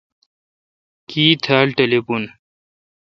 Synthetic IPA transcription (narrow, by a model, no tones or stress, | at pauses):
kiːt̪ʰaːlʈelepun